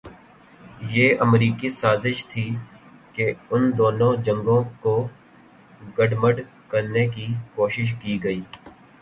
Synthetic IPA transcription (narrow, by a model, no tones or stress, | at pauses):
jeːʔəmɾiːkisaːzɪʃt̪ʰiːkeʊnd̪oːnõd͡ʒə̃ŋɡõko | ɡəɖməɖ | kəɾnekikoːʃɪʃ̬kiːɡəiː